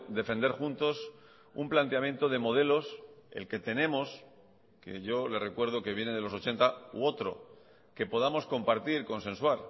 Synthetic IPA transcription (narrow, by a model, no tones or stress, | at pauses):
d̪e̞fe̞nd̪e̞ɾxunt̪o̞s | umplant̪eamje̞nt̪o̞ð̞e̞mo̞ð̞e̞lo̞se̞̰lke̞t̪e̞ne̞mo̞s | ke̞̰ʝo̞le̞sre̞kwe̞ɾð̞o̞ke̞βje̞neð̞elo̞so̞t͡ʃe̞nt̪auo̞t̪ɾo̞̰ | ke̞po̞ðamo̞sko̞mpaɾt̪iɾko̞ns̬ẽ̞nswaɾ